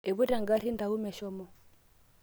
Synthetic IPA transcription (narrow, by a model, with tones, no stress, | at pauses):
e˨βu˦ta˨ŋɡa˦ɾi˦n˦da˨u˦mɛ˨ʃɔ˦mɔ˦